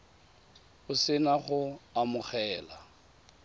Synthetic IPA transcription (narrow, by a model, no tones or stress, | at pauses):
ʊsɪnaχʊamʊχɛːla